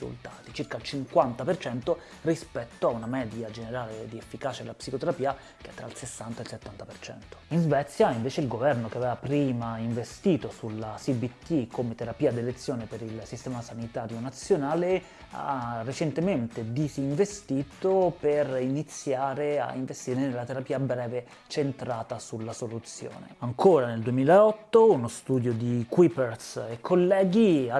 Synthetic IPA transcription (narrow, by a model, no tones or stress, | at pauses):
ṵlt̪a̰ːt̪it͡ʃirkalt͡ʃiŋkwant̪apert͡ʃɛnt̪o | rispɛt̪ːoaunamɛːd̪jad͡ʒeneɾaːled̪iefːikaːt͡ʃed̪elapsikot̪eɾapiːa | keɛt̪ːɾailsesːant̪aelset̪ːant̪apert͡ʃɛ̰nt̪o̥inzvɛt̪sːjaiɱveːt͡ʃeilɡovɛrnokeavɛːvapɾiːmaiɱvest̪iːt̪osulasibit̪ːikʰomet̪eɾapiːad̪elet̪sːjoːnepeɾilsist̪ɛːmasanit̪aːɾjonat̪sːjonaːle | a̰rːet͡ʃent̪ement̪ed̪iziɱvest̪iːt̪operinit̪sːjaːɾea̰iɱvest̪iːɾenelːat̪eɾapiːabɾɛːve | t͡ʃent̪ɾaːt̪asulːasolut̪sjo̰ːnḛaŋkʰoːɾaneld̪uemiːlaɔt̪ːounost̪uːd̪jod̪ikwipersekʰːolːɛːɡia